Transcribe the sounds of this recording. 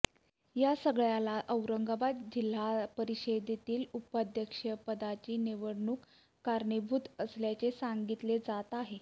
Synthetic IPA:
jasəɡɭjalaʔəwɾəŋɡabat̪d͡ʑil̤ːapəɾiɕed̪it̪iːlupad̪ʱjəkʂəpəd̪at͡ɕiːneʋəɽɳuːkː | aɾɳəbʱut̪əsljat͡sesaŋɡit̪led͡zat̪aɦe

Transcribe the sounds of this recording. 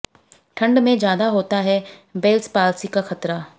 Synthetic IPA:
ʈʰɐ̃ɳɖmẽd͡ʒjaːd̪aɦoːt̪aɦɛbeːlspaːlsikaxɐt̪ɾaː

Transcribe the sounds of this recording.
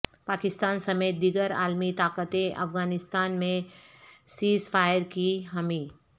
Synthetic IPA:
paːkɪst̪aːnsɐmeːt̪̚d̪iɡəɾa̰ːlmit̪aːkət̪ẽʔɐ̰fɡaːnɪst̪aːnmẽ | siːsfʰaːjəɾkiɦɐmiː

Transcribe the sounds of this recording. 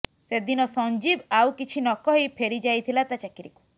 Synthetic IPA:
sed̪inɔsɔnd͡ʒibawkit͡ʃʰinɔkɔɦipʰeɾid͡ʒajt̪ʰilat̪at͡ʃakiɾiku̥

